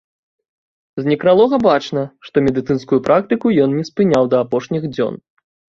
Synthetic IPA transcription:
zʲnʲikɾalˠɔɣɐbat͡ʂnɐʂt̪ɔmʲɛd̪ɨt̪sɨnskujupɾʔak̚t̪ɨkujɔnːʲɛspɨnʲawd̪ɐːpɔʂnʲiɣd͡zʲɔ̰n

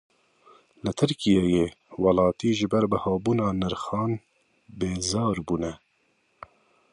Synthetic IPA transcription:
lɨt̪ʰɨɾkijejeːwɑlɑːt̪iːʒɪbɛɾbəhɑːbuːnɑːnɨɾxɑːn | beːzɑːɾbuːnɛ

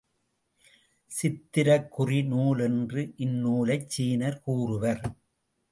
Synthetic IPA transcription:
sɪt̪ːɪɾɐkːʊrinuːlɛndrɯʔɪnːuːlɐɪt͡ʃt͡ʃːiːnɐɾkuːrɯʋɐɾ

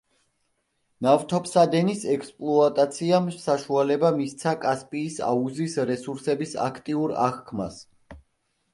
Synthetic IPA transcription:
navt̪ʰɔpsad̪ɛnisɛkspʼlˠɔat̪ʼat̪sʰiamsaʃualɛbamist̪sʰakʼaspʼiːsa̰uzisɾɛsuɾsɛbisa̰kʰt̪ʼiuɾa̰χkʰmas

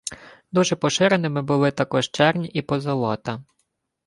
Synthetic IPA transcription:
d̪uʒɛpɔʃɪɾenɪmɪbʊlˠɪt̪ɐkɔʒt͡ʃɛrnʲipɔzɐlˠɔt̪ɐ

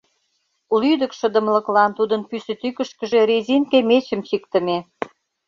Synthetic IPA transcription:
ulyd̪ə̆kʃə̆d̪ə̆mlə̆klɑnt̪ud̪ənpysĕt̪ykə̆ʃkə̆ʒeɾezʲinkemet͡ɕəmt͡ɕikt̪ə̆me

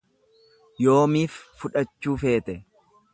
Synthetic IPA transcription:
jo̞ːmiːfːʊᶑɐt͡ʃːuːfe̞ːt̪ɛ

